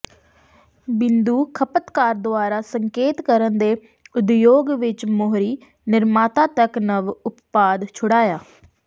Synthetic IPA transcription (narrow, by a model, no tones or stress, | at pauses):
bɪnd̪uːkʰəpət̪kaːɾd̪ʊaːɾaːsəŋkeːt̪kəɾənd̪eː | ʊd̪joːɡʋɪt͡ʃmoɦɾiː | nɪɾmaːt̪ãːt̪əknəʋʊppaːd̪t͡ʃʰʊɽaːjaː